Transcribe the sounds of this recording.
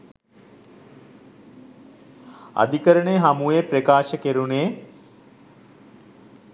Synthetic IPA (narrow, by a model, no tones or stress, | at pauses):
a̰d̪ʱikəɾəɳeɦamuʋeːpɾekaːʃəkeɾuneː